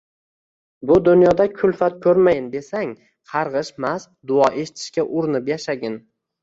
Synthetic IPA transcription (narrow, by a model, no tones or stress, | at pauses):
bʊd̪ʊnjɒd̪akʲʰʊlfat̪̚kʲʰɵɾmajɪnd̪e̞saŋ | qʰɑɾʁɨʃmas | d̪ʊɒʔe̞ʃɪ̥t̪ʰɪ̥ʃkʲaʔʊɾɪnɪpjaʃaɡʲɪn